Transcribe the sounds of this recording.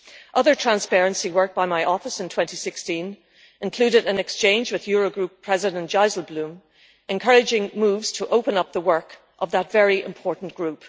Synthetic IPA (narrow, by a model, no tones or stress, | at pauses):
ʔʌðə˞tʰɹ̥æ̃nspɛɹɨ̃nsiwɜ˞k̚b̥aɪmaɪʔɔfəsɨ̃ntʰw̥ɛ̃ntisɪkstĩn | ɨ̃nkʰl̥ʉɾɨɾɨ̃nɨkst͡ʃʰẽɪ̃nd͡ʒwɨðjɔɹoʊɡɹʉpʰɹ̥ɛzɪɾə̃n̥ʒ̥aɪzl̩ˠblʉ̃m | ɨ̃nkʰɜ˞ɨd͡ʒɪ̃ŋmuvz̥tʰəʔoʊpə̃nʌp̚ðəwɜ˞k | ʔʌvðətvɛɹiʔɪ̰̃mpʰɔɹʔn̩ɡ̥ɹʉp